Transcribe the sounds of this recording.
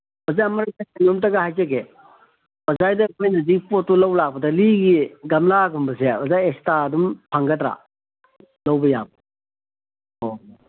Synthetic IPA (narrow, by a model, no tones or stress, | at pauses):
bɐzamɐɾasasinomtɐɡahajzaɡe | b̥ɐzajdɐkʰojnɐzikpotːulawlak̚bɐdɐliɡiɡɐmlaɡumbɐsebɐzajestadumpʰaŋɡɐtɾa̰ | lawbɐja̰bɐ | o